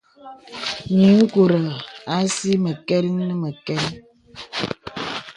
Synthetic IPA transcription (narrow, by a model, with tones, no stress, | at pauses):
ɲi˨˦ŋ̩˦ku˨ɾə˨a˦si˦mə˨kɛ˦ɾi˦nə˦mə˨kɛ˦n˦